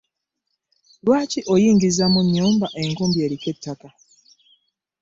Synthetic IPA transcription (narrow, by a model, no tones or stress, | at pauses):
lwaːciʔojiːŋɡizamuɲːuːmbaʔe̞ŋkuːmbje̞ːɾike̞tːaka